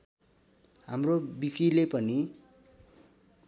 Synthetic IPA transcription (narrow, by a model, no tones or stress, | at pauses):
ɦamrobikilepʌni